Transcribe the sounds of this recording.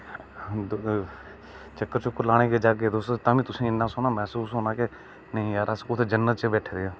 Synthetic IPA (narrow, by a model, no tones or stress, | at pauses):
t͡ʃəkːəɾt͡ʃʊkːəɾlaːɽ̃ẽːked͡ʒaːk̬eːd̪ost̪ot̪ãːʋĩːt̪ʊsẽːɪnːãːsoːnaːmɛːsuːsɦoːnaːke | nəĩːaːɾəskʊt̪ʰeːd͡ʒənːət̪̚t͡ʃebɛːʈʰːd̪eːaː